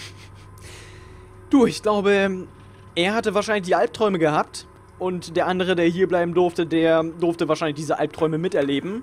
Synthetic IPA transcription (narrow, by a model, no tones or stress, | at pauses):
d̥uːɪçɡ̥laʊbə | ʔeːɐhatəvaːɐʃaɪnlɪç̬d̥iːʔalp̚tʁ̥ɔʏməɡəhaːp̚t | ʔʊntd̥eːɐʔandəʁ̞ədeːɐɦiːɐblaɪbm̩dʊɐftədeːɐdʊɐftəvaːʃaɪnlɪçd̥iːzəʔa̰lp̚tʁ̥ɔʏməmɪtʔɛɐleːbm̩